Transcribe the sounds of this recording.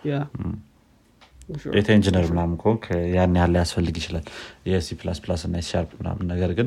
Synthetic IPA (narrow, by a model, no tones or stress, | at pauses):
ʔet̪ʰəind͡ʒinəɾmɨnamɨkʰokʰəjanːjalːəjasfəlːɨɡjɪt͡ʃɪlaljɛsipʰlasplasɨnːajɪsa̰ɾbmɨna̰mːɨnːəɡəɾɡɨn